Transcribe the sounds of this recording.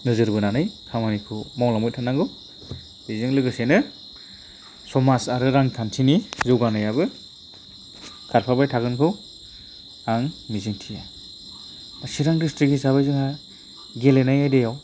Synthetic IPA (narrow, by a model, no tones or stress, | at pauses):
nɯzɯɾbɯnanɯjkʰamanikʰɯmawlamɔj̚tʰanːaŋɡɯw | b̥iziŋlɯɡɯsenɯ | sɔmasaɾɯɾaŋtʰantʰinizɯwɡanajabɯ | kʰaɾpʰabajtʰaɡɯnkʰɯw | aŋmiziŋtʰija | asiɾaŋdistɾikisaβajzɯŋha | ɡelenajajdejaw